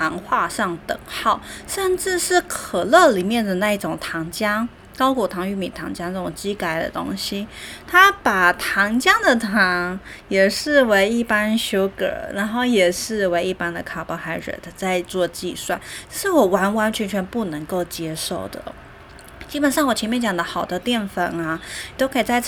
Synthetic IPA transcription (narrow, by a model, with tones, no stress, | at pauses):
t̪ʰɑ˧˥ŋxwa˥˧ʂɑ˥˩ŋt̪ɤ˨˩ŋxɑ˥˩ʊʂə˥˧nʈ͡ʂɻ̩˥˧ʂɻ̩˥˩kʰɤə˨˩lɤ˥˩li˨˩mjɛ˥˩nd̪ə˩na˥˧i˥˩ʈ͡ʂʊ˨˩ŋt̪ʰɑ˧˥ŋt͡ɕjɑ˥ŋ | kɑ˥ʊkwɔ˨˩t̪ʰɑ˧˥ŋy˥˩mi˨˩t̪ʰɑ˧˥ŋt͡ɕja˥ŋna˥˩ʈ͡ʂʊ˨˩ŋt͡ɕi˥ka˧˩ɪd̪ə̰˨t̪o̰˥ŋɕi˥t̪ʰa˥pa˨˩t̪ʰɑ˧˥ŋt͡ɕjɑ˥ŋd̪ə˨t̪ʰɑ˧˥ŋjɛ˨˩ʂɻ̩˥˩we˧˥ɪi˥˩pa˥nɕjo˥ʊkɤ̰˨˩˦na˧˥nxo˥˩ʊjɛ˨˩ʂɻ̩˥˩we˧˥ɪi˥˩pa˥nd̪ə˨kʰa˨˩pɑ˧˥xa˧˥ɪɻə̰˨˩˧t͡sa˥˧ɪt͡swɔ˥˧t͡ɕḭ˥˧swa˥˩nʂɻ̩˥˩wɔ˨˩wa˧˥nwa˧˥nt͡ɕʰɥɛ˧˥nt͡ɕʰɥɛ˧˥npu˥˩nɤ˧˥ŋko˥˩ʊt͡ɕjɛ˥ʂo˥˩ʊd̪ə̰˩ | t͡ɕi˥pə˨˩nʂɑ˥˩ŋwɔ˨˩t͡ɕʰɛ˧˥nmjɛ˥nt͡ɕjɑ˨˩d̪ə˦xɑ˨˩ʊd̪ə˦t̪jɛ˥˩nfə˨˩na˧˨t̪o˥ʊkʰi˨˩t͡sa˥˧ɪ